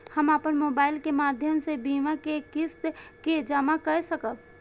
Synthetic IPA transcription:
həmapənmoːbaːɪlkemaːd̪ʱjəmsebiːmakekɪst̪kid͡ʒaːmakəsəkəb

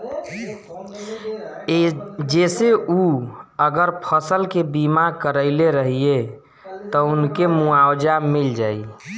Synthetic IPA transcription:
d͡ʒeseʔuəɡəɾpʰəsəlkebimakəɾəɪleɾəɦie | t̪ɔunkemuawd͡ʒamild͡ʒaːi

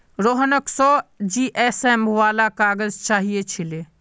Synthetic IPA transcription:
ɾoːɦənəksɔd͡ʒiːʔeːsemʋaːlakaːɡəzt͡ʃaːɦiet͡ʃʰileː

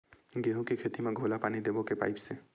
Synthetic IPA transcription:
ɡeɦũkikʰet̪imeɡʱolapanid̪ebɔkepa̰jpse

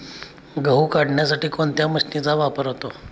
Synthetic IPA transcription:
ɡəɦukaɽɳjasaʈiːkoɳt̪jaməsʈit͡saʋapəɾɦot̪o

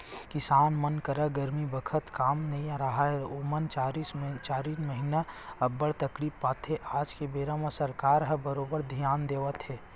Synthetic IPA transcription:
kɪsaːnmənkəɾaɡɐɾmibəkʰət̪kaːmnɐɦĩaɾɐɦaɦɛomənt͡ʃaːɾist͡ʃaːɾiːnməɦinaɐbːəɽt̪ɐkɾiːpːaːt̪ɦeʔaːd͡ʒkebeːɾəməsɐɾkaːɾɦɐbəɾoːbəɾd̪ʱijaːnd̪eːʋət̪ɦɛː

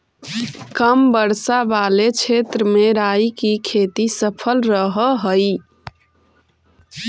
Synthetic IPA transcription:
kəmbəɾsabalet͡ʃʰet̪ɾəmeɾajikikʰet̪isəpʰəlɾəɦəɦəj

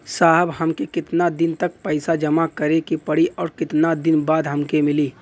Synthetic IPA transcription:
saːɦəbɦɐmkekɪt̪nad̪ɪnt̪ək̚pɛɪsad͡ʒəmakəɾekipəɽiʔɔːɾkɪt̪nad̪ɪnbaːd̪ɦɐmkemɪliː

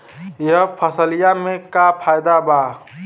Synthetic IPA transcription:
jəɦpʰəsəlijamẽkapʰajd̪aba

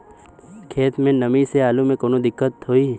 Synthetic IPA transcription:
kʰeːt̪mẽnɐmiseaːlumẽkoːnod̪ɪkːət̪ɦoːiː

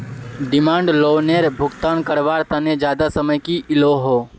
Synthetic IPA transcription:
ɖɪmãːɳɖloːneɾbʱʊɡt̪aːnkəɾʋaːɾt̪aned͡ʒjaːd̪asəməjkiʔɪloɦoː

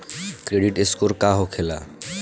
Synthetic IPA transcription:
kɾeɖiʈɪskoɾkaːɦokʰela̰

